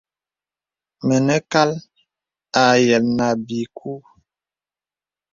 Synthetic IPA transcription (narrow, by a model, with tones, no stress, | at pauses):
mə˨nə˦ka˦l | a˨jɛ˨lna˨bi˨k̚ʰu˦